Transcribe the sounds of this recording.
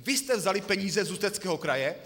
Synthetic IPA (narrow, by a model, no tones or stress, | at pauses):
vɪst̪ɛvzalɪpɛɲiːzɛzust̪ɛt͡skɛːɦokɾajɛ